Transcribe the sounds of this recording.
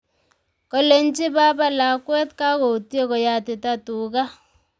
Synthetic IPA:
kɔ˦le˦nt͡ʃi˦ba˦ba˦la˨kwɛ˦tka˦ko˨tje˦kɔ˨ja˨tɪ˨ta˦tu˨ka˦

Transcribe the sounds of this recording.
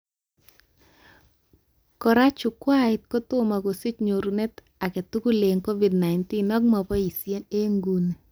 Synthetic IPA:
kɔ˨ɾa˦t͡ʃʊ˨kwa˦ɪ˨t̪̚kɔ˦t̪ʊ˦ma˨ɡo˨si˦t͡ʃɲo˨ɾu˨ne˦t | a˨kɛ˨tu˦ku˦le˨ŋko˦vi˨dna˨ɪnti˦nɔ˦ɡma˨pɔ˦i˨sje˦ne˦ŋɡu˦n˨

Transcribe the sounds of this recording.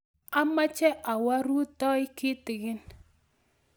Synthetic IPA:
a˦ma˦t͡ʃɛ˦ʔa˨wa˦ɾu˦tɔ˦ɪ˦kɪ˦tɪ˨ɡɪ˦n

